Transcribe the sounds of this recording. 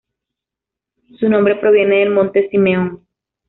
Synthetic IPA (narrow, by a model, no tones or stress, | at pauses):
sunombɾe̞pɾo̞βje̞ne̞ðelmõ̞nt̪esimeoŋ